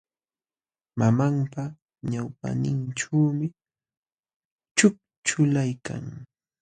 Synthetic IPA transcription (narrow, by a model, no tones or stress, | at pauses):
mamampa | ɲawpa̰nɪnʈ͡ʂawmɪ | t͡ʃʊk̚ | t͡ʃʊlajka̰ŋ